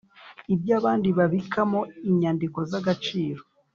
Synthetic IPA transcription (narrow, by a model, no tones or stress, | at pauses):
ibjaːβaːndiβaβikʰamo̞iɲaːndiko̞zaɡat͡ʃiːɾo̞